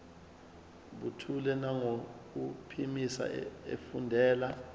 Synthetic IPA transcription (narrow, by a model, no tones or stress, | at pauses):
ɓutʰulɛnaŋok̬upʰimisa̰ḛfundʱɛːla